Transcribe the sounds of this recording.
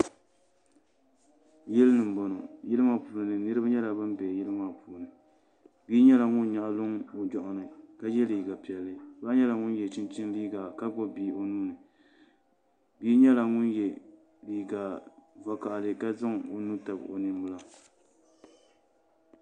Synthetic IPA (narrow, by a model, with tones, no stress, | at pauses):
jɛ˦lɨ˦nɨ˨m̩˨bɔ˨no˨jɪ˦lɨ˦ma˦puː˨lnɨ˨nɨ˦ɾɨ˦ba˦ɲɛ˦la˨bɨ˦m˦bɛ˨jɛ˦lɨ˦ma˨puː˨nɨ˨ | biː˦ɲɛ˦la˨ŋʊ˦n˦ɲa˨ʔa˨lʊ˦ŋo˨d͡ʒɔ˨ʔʊ˨nɨ˨ka˦jɛ˦liː˨ɡa˨pi˨ɛ˨lːɨ˦ba˦ɲɛ˦la˨ŋʊ˦njɛ˨t͡ʃɪ˦nt͡ʃɪ˦n˦liː˦ɡa˨ka˦bɔ˦biː˨o˨nuː˦nɨ˨ | biː˦ɲɛ˦la˨ŋʊ˦njɛ˨ | liː˨ɡa˨va˨ka˨ʔlɨ˨ka˦za˦ŋo˨nuː˦ta˨b̰o̰˨nɨ˨˦m˦bʊ˦la˦